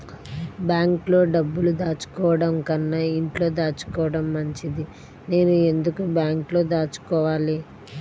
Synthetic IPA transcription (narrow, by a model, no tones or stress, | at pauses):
bjaːŋklo̞ːɖɐbːulud̪aːt͡ʃu̥kɔːʋɐɽɐmkɐnːɐiɳʈlo̞ːd̪aːt͡ʃu̥kɔːʋɐɽɐmːɐɲt͡ʃid̪i | ne̞ːnue̞nd̪ukubjaːŋklo̞ːd̪aːt͡ʃu̥kɔːʋaːli